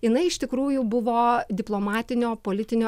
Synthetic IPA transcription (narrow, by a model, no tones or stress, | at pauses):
jɪnɐɪɪʃt̪ʲɪkɾuːjʊbʊʋoːd̪ʲɪplˠoːmɑːt̪ʲɪnʲoːpoːlʲɪt̪ʲɪnʲoː